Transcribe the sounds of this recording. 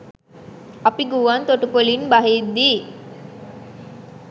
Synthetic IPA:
ɐpiɡuːʋant̪oʈupolinbaɦid̪ːiː

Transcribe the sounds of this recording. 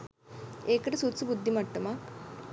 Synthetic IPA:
eːkɐʈɐsut̪ːsubud̪ʱːimɐʈːuma

